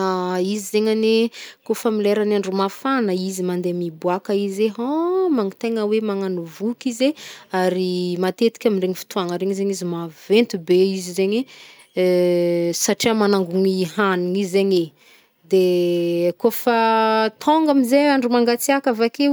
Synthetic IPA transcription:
aizizeɲanekofəmileɾanaɳɖ͡ʐumafanəizimand̪emibuakəizeɦomaŋit̪eŋəwemaŋanuvukizeaɾimat̪et̪i̥kʲaminreɲifi̥t̪ʰuaŋəɾeɲizeɲizimavent̪ubeizizeɲe | saʈ͡ʂiamanaŋɡuŋiɦaniŋizeɲe | d̪e | kofat̪ʰoŋɡamizeaɳɖ͡ʐumaŋɡat͡siakavake

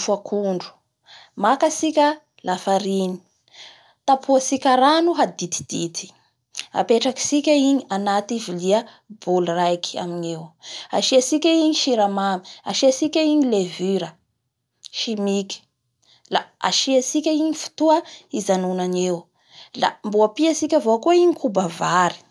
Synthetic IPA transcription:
fakʰuɳɖ͡ʐu̥ | makasikʲə | lafaɾini̥ | t̪apʰuasikʲaɾanuɦad̪it̪i̥d̪̥it̪ʰi̥ | a̰peʈ͡ʂaki̥sikʲəiɲianat̪iviliə | bulrajkʰi̥a̰minewa̰ʃiasikʲaiɲiʃiɾamami̥a̰ʃiasikʲaiɲilevyɾə | ʃimiki̥ | la̰a̰ʃiasikʲaiɲifu̥t̪uəizanunanew | la̰mbuapiasikʲavokoiɲikubavaɾi̥

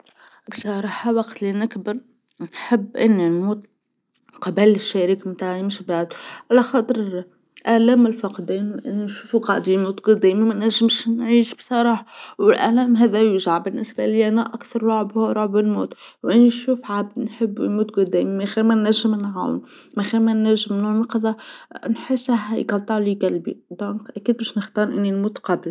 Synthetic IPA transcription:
bsˤɑɾˤɑːħɑwɑqt̪linɪkbɑɾˤ | nħəbːʔɪnːinmuːt̪ | qɑbælɪʃːæɾiːkmt̪aːʕjɪmʃibaʕd̪ʕalæxɑt̪ˤɨɾ | ʔælæːmɪlfɑqd̪æːnwʔɪnːinʃuːfuqɑʕd̪imuːt̪ɡʊd̪æːmimænæʒɪmʃnʕiːʃbsˤɑɾˤɑːħɑwɪlʔæ̰læːmɦæðæjuʒʕabɪnːɪsbæliʔænæʔækθɑɾˤɾɑʕbhuɾˤoʕbənmuːt̪ | wʔɪnːiʃuːfʕab̚d̪nħəbːmuːt̪ɡʊd̪æːmimæxiɾmænːæʒːɪmnʕa̰w̰n | mæxiɾmænːæʒːəmnuːʕmɑqðˤɑnħəsːɦjɡɑlt̪ˤːɑʕlikælbḭd̪ɔ̃ːkʔækiːd̪̚bæʃnəxt̪ɑːɾˤʔɪnːinmuːt̪qɑbəl

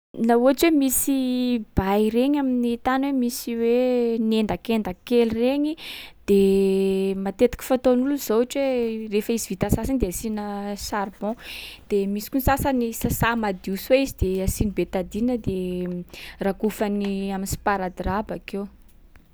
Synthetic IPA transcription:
lauaʈ͡ʂwemisib̥ajɾeɲaminit̪anwemisiwenend̪akend̪akelireɲid̪̥e | mat̪et̪i̥ki̥fat̪onuluz̥oaʈ͡ʂwerefəizivit̪asasind̪easinəsarbɔ̃d̪̥emisi̥kunsasanisasamad̪iusweizid̪easinibet̪ad̪inəd̪e | rakufaniaminsi̥paɾad̪rabakew

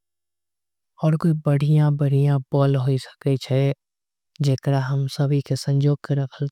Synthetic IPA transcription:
ɔːɾkoibɐɽ̤ijãbɐɽ̤ijãbɔːlɦoisə̥ket͡ʃʰɛ | d͡ʒeːkəɾaɦəmsɐbʱikesə̃ɲd͡ʒoːɡ̚keɾɐkʰəl

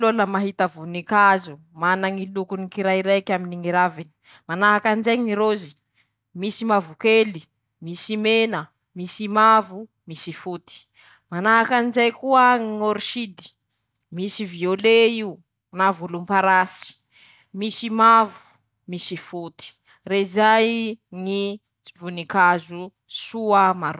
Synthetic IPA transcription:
loləmaɦit̪əvunikazu | manaŋilukunikiɾajiɾejkaminiŋiɾavini̥ | manaɦakanzejɲŋiɾozi | misimavukeli | misimenə | misimavu | misifut̪i̥ | manaɦakanzejkuəŋoɾiʃid̪i̥ | misivioleiu | navulumpaɾasi̥ | misimavu̥ | misifut̪i̥ | reizajŋi | t͡si̥vunikazu | suamaɾ

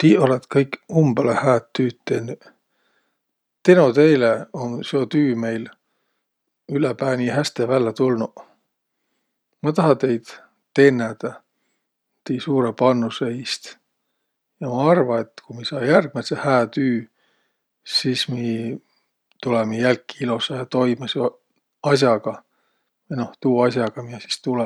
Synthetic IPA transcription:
t̪iːo̞let̪kɤjkumb̥elehæːt̪ːyːt̪ːenːy | t̪enot̪e̞jleonseo̞t̪yːme̞jl | ylepæːnʲihæst̪evælːɑt̪ulnu | mɑt̪ɑɦɑt̪e̞jd̪̥ | t̪e̞nːed̪̥ɑ | t̪ejsuːɾepɑnːuseist̪ | jɑmɑɑrvɑe̞t̪ːkumisɑːjærɡ̥̚melsehæːt̪yː | siːsmi | t̪ulemijælkːiilusɑɑt̪o̞jmɑso | ɑsjɑɡ̥ɑ | jno̞ht̪uːɑsjɑɡ̥ɑmiesi̥st̪ulɛ

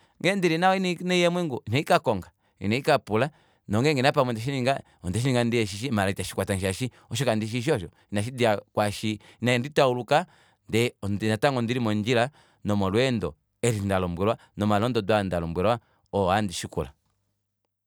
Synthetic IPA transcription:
ŋɡɛndiɾinaɔininɛjɛmwɛŋɡuinaikakɔŋɡa | ḭnɛikapula | nɔŋɡɛŋɡɛnapamɔndɛʃ̬iniŋɡa | ɔndɛʃiniŋɡandiɛʃ̬iʃimalaitaʃi̥kwatanʃaʃi | ɔʃɔkandiʃ̬iʃ̬iɔʃɔ | inaʃ̬idiakwaʃiinaɛnditauluka | ndɛnnataŋɡɔndiɾimɔnd͡ʒila | nɔmɔlwɛndɔ | ɛɾindalɔmbwɛɾwa | nɔmalɔndɔdwandalɔmbwɛɾwa | ɔandiʃikṵla̰

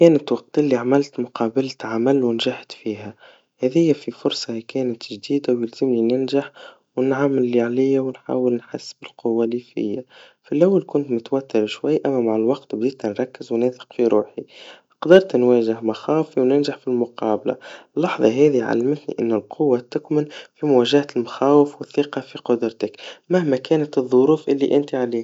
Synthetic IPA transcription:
kɛːnɪt̪wɑq̚t̪ilːiʕamɪlt̪mʊqʰɑːbalt̪ʕamælwɪnʒaħt̪fiːɦæ | hɛːðɪjːæfifʊɾˤsˤɑhikɛːnɪt̪ʒd̪iːd̪awjɪlz̥ɪmninɪnʒaħ | wnʕamːɪlːiʕalɪjːawnħa̰ːwɪlnħasːbɪlqʰʊwːalifɪ̰jːa | filʔawːalkʊnt̪mʊt̪wæt̪ːɪɾʃwajːʔæmːæmaʕɪlwɑqt̪bd̪iːt̪nanɾˤɑkːɪzwnæːθɪ̥qfiɾuːħi | qd̪ɑɾˤt̪nwæːʒɪhmaxaːwfiwnɪnʒaħfilmʊqɑːbla̰lːɑħðˤɑɦɛːðiʕa̰lːɪmɪt̪nḭʔɪ̰nːʊlqʰʊwːat̪ɪkmɪnfimʊwæːʒahalmaxaːwɪfwɪθːiːqɑfiqʊd̪ɾˤt̪ɪkmahmækæːnat̪ɨðˤːʊɾuːfʔɪlːḭʔɪnt̪iʕaliː

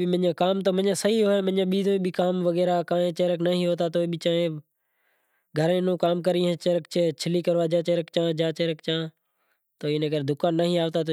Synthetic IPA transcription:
imɪɲãːkaːmt̪oːmə̃ɲãːsəɦiːɦoːẽːmə̃ɲãːɓiːt̪oːiːɓiːkaːmʋəɣeːɾaːkaːẽːt͡ʃeːɾəknəɦĩːɦoːt̪aːt̪oːiɓiːt͡ʃaːẽː | ɡʱəɾẽːnõːkaːmkəɾĩɦẽːt͡ʃeːɾək̚t͡ʃet͡ʃʰɪliːkəɾʋaːd͡ʒãːt͡ʃeːɾəkt͡ʃãːd͡ʒãːt͡ʃeːɾəkt͡ʃãː | t̪oːiːnəɡəɾd̪ʊkaːnːəɦĩːaːʋt̪aːt̪o

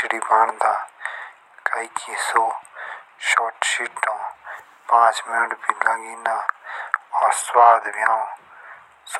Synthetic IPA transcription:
ɽiːbaːɳd̪aː | kaikʰisoː | ʃɔːʈʃiʈːõː | pãːt͡ʃmɪnəʈpiːlaɡiːnaː | ɔːɾswaːd̪ʋɪjaːõ | s

